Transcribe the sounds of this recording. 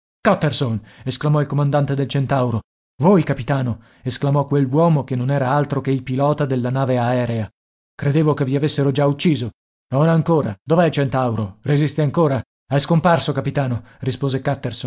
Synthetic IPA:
kat̪ːersonesklamɔilkomand̪ant̪ed̪elt͡ʃent̪awɾo | vojkapit̪aːno | esklamɔkːwelwɔːmokenːonɛːɾaalt̪ɾokeilpilɔːt̪ad̪elːanaːveaɛːɾea | kɾed̪eːvokevːiavesːeɾod͡ʒaut͡ʃːiːzo | nonaŋkoːɾa̰d̪ovɛlt͡ʃent̪awɾorezist̪eaŋkoːɾa | ɛjskomparsokapit̪aːnorispoːzekat̪ːerson

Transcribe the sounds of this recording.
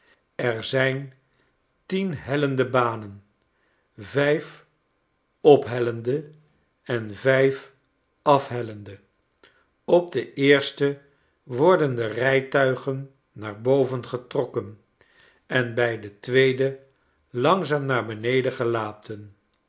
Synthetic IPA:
ɛrzɛjn | tinɦɛləndəbaːnən | vɛjf | ɔpɦɛləndə | ɛnvɛjf | ɑfɦɛləndə | ɔb̚dəʔɪːɹstə | ʋɔɹdəndərɛjtœɥχənː | aːɹbowvənχətrɔkən | ɛnbɛjdətʋejdə | lɑŋzaːmnaːɹbənejdəχəlaːtən

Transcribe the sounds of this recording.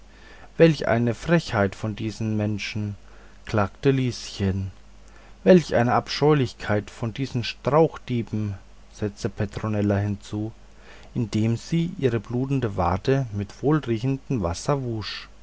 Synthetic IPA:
vɛlçʔa̰ɪnəfʁ̥ɛçhaɪtfɔndiːzn̩mɛnʃn̩ | kl̥aːktəliːsçən | vɛlçʔa̰ɪnəapʃɔʏlɪçkʰaɪtfɔndiːzn̩ʃtʁ̥aʊxd̥iːbm̩ | z̥ɛt͡stəpʰetʁ̥onɛlɐhɪnt͡suː | ʔɪndeːmziːʔiːʁəbluːtn̩dəva̰ɐtʰəmɪtv̥oːlʁiːɡn̩dn̩vasɐvuːʃ

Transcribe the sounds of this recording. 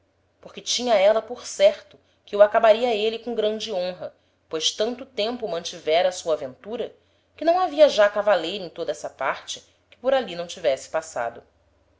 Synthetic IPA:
poχkɪt͡ʃĩɲɐɛlɐpoɾsɛɾt̪ʊ | kɪuakabaɾiɐelikõɡɾɐ̃d͡ʒɪõɦɐ | pojʃt̪ɐ̃nt̪ʊt̪ẽmpʊmɐ̃nt͡ʃivɛɾɐːsuɐavẽnt̪uɾɐ | kɪnɐ̃w̃aviɐʒakavalejɾʊẽt̪od̪ɐɛsɐpaɾt͡ʃɪ̥ | kɪ̥poɾalinɐ̃w̃t͡ʃivɛsɪ̥pasa̰d̪ʊ

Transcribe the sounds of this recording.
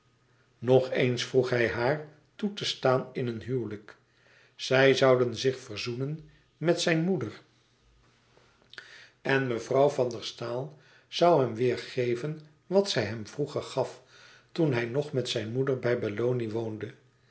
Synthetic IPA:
nɔχensfruχɦɛjɦaːɹ | tutəstaːnɪnənɦywlək | sɛjzʌwdənzɪχfəɹzunən | mɛtsɛjnmudər | ɛnməvrɑwvɑndəɹstaːlˠ | z̥ɑwɦɛmʋɪːɹχejvən | ʋɑtsɛjɦɛmvruχəɹχɑf | tunɦɛjnɔχmɛtsɛjnmudəɹbɛjbalowniʋowndə

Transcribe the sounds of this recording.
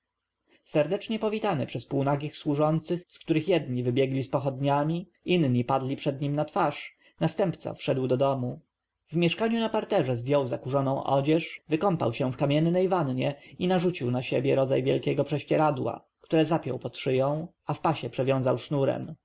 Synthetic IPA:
sɛɾd̪ɛt͡ʂɲɛpɔvʲit̪anɛpʂɛspuwnaɡʲixswuʐɔnt̪sɘxskt̪uɾɘxjɛd̪ɲivɘbʲjɛɡlʲispɔxɔd̪ɲamʲi | inɲipad̪lʲipʂɛd̪ɲimnat̪faʂ | nast̪ɛmpt̪sa̰fʂɛd̪wd̪ɔd̪ɔmu | vmʲjɛʂkaɲunapaɾt̪ɛʐɛzvʲjɔwzakuʐɔnɔ̃w̃ʔɔ̰d͡ʑɛʂvɘkɔmpa̰wɕɛ̃fkamʲɛnːɛjvanɲɛinaʐut͡ɕiwnaɕebʲjɛɾɔd̪zajvʲjɛlkʲɛɡɔpʂɛɕt͡ɕɛɾad̪wa̰ | kt̪uɾɛzapʲjɔ̰wpɔt̪ʂɘjɔ̃w̃ | afpaɕɛpʂɛvʲjɔ̃w̃zawʂnuɾɛ̰m

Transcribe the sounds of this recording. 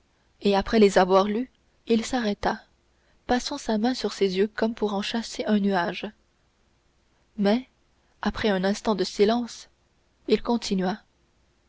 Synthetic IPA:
eapχɛlezavwaʁly | ilsaʁɛt̪a | pasɑ̃samɛ̃syʁsezjøkɔmpuʁɑ̃ʃaseʔœ̃nyaːʒ | mɛ | apχɛœ̃nɛ̃st̪ɑ̃d̪əsilɑ̃s | ilkɔ̃t̪ʰinɥa

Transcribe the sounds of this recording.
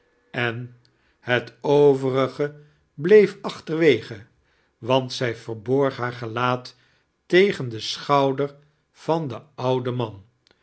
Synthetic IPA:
ɛn | hətowvərəχə | blejfɑχtəɹʋejχə | ʋɑntsɛjvəɹbɔɹχɦaːɹχəlaːtː | ejχəndəsχɑwdəɹ | v̥ɑndəʌwdəmɑn

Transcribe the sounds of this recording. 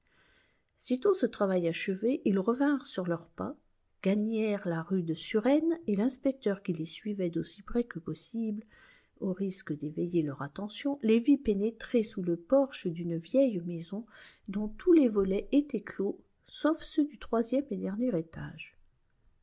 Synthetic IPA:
sit̪õsət̪χavajaʃəveʔilʁəvɛ̃ʁsyʁlœʁpa | ɡ̥aɲɛʁlaʁyd̪əsyʁɛnelɛ̃spɛk̚t̪œʁkʲilesɥivɛd̪osi̥pχɛkəpɔsibl | oʁiskəd̪evejelœʁat̪ɑ̃sjɔ̃levipenet̪χesuləpɔʁʃəd̪ynvjɛjmezɔ̃ | d̪ɔ̃t̪ulevɔlɛʔet̪ɛklo | sofsød̪yt̪χwazjɛmed̪ɛʁnjɛʁet̪a̰ʒ

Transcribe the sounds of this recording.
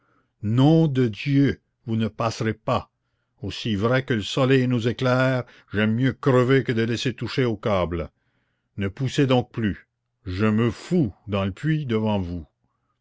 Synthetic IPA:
nɔ̃d̪əd̪jø | vunəpaːsʁepa | osivʁɛkələsɔlɛjnuzeklɛːʁ | ʒɛmːjøkɾəvekəd̪əlɛset̪uʃeokaːbl | nəpused̪ɔ̃k̚ply | ʒəməfud̪ɑ̃ləpʰɥid̪əvɑ̃vu

